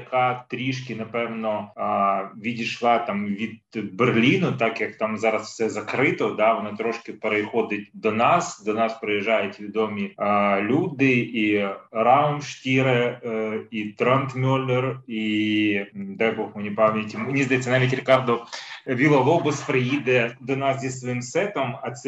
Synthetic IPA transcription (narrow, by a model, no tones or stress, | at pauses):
kat̪ɾʲiʂkʲɪnɐpɛvnɔ | vʲid̪ʲɪʂlˠat̪amvʲid̪berlʲinʊt̪akjɐkt̪amzaɾɐsfsʲɛzɐkɾɪt̪ɔd̪aʋɐnɐt̪ɾoʂkʲɪpɾɐɪxod̪ɪt̪ʲd̪ɔnasd̪ɔnaspɾɐjɪʒajʊt̪ʲvʲɪd̪omʲilʲud̪ɪiɾaʊnʂt̪ʲiɾɨ | it̪ɾɛnt̪mʲolʲːɪri | d̪ajboxmɨnʲɪpamnʲɪtʲɪmɨnʲɪzat̪sɨnamʲit̪ʲɾʲɪkard̪ʊvʲilˠɐlˠobɨsfɾɐid̪əd̪ɐnasʲdʲesʲsʋɐimsɛt̪əmɐt̪s